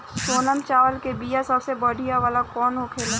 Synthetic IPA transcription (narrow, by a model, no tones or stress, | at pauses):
soːnəmt͡ʃaːʋəlkebijasɐbsebəɽ̤ʱijaʋaːlakɔːnɦokʰeːla